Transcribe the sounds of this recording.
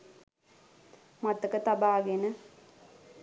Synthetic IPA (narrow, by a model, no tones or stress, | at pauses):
mɐt̪ːɐkɐt̪ɐbaːɡenə